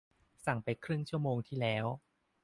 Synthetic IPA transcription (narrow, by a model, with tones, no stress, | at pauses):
sa˨˩ŋpa˧jkʰɾɯ˥˩ŋt͡ɕʰu˥˩ɐmoː˧ŋt̪ʰiː˥˩lɛː˦˥w